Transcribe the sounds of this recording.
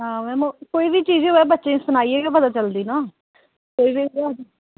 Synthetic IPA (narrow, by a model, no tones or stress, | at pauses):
ɦãːmɛ̃ːmũːkoːiːbiːt͡ʃiːzẽɦoɛːbətːʃẽːsʊnaːiːeːɡaːpət̪aːt͡ʃəld̪iːnaː | koːiːbiːɛi